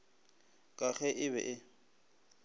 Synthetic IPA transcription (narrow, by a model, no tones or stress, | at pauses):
kʼaɣʰɛʔɪβɛ̰ʔɪ